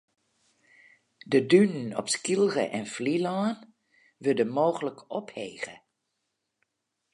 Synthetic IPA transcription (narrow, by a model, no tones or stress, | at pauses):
dədynənɔ̰pskilˠrə̰ʔɛnflilaːn | ʋʏdəmoːɣələkʰɔphḛːɣə̰